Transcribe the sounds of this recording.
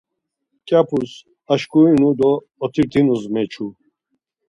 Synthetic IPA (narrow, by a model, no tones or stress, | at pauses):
kʼapʰus | aʃkʰʼuinud̪ɔː | t̪ʰiɾt̪ʼʰinuzmɛt͡ʃʰu